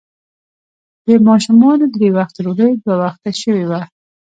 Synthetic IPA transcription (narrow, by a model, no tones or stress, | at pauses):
d̪əmɑʃumɑnod̪ɾewaxt̪ɾoləjd̪wawaxt̪aʃəwewa